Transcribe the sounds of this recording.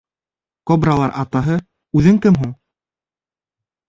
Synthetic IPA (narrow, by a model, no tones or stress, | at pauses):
kobralˠɑɾʔɑt̪ɑɦɤ | ʉðɘŋkɘmɦuɴ